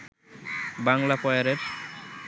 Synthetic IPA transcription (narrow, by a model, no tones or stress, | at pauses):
baŋlapɔjaɾeɾ